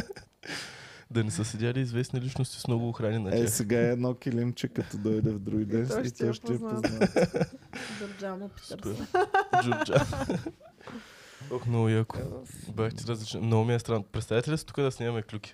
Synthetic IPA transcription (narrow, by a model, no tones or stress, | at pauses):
d̪ɐnɛsəsɛd̪ʲaliːzvɛsnilit͡ʃnost̪i̥smnɔɡʊːxɾaninɐtʲɛaxsɛɡaɛɛd̪nɔkilint͡ʃɛkɐt̪ɔd̪ɔjd̪ɛvd̪ɾuɡid̪ɛnit̪ɔʃt̪ɛɛpoza | d͡ʒʊɾd͡ʒasu̥pɛɾd͡ʒʊɾd͡ʒa | t̪oxmnɔɡʊjakʊ̥bʲaxt̪ʲiɾɐzlit͡ʃnmnoɡʊmiɛst̪ɾanpɾɛt̪st̪avjit̪ɛlʲətsit̪u̥kəd̪ɐsnʲaɐmɛklʲukʲi̥